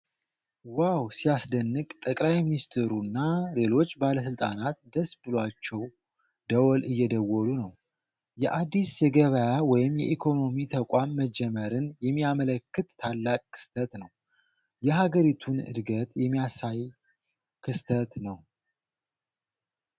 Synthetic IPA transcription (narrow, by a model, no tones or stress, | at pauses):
wawsijasd̪ənːɨkʼt̪ʼəkʼlajminist̪ʰeɾunːale̞lo̞t͡ʃːbaləs̬ɨlt̪ʼa̰nat̪d̪əsbɨlwat͡ʃːɛw | d̪əwɔlɨjːɛd̪əwːɔlunəw | jɛʔad̪ːisjɛɡəβəjawɔjɪmjɛʔikʰo̞no̞mit̪ʰəkʷʼamːəd͡ʒɛməɾɨnjɛmːiamələkːɨt̪ːʰalːakʼkʰːɨ̥st̪ʰət̪nəw | jɛɦaɡəɾit̪ʰunɨ̰d̪ɡət̪ʼjɛmːijasaj | kʰɨst̪ʰət̪nəw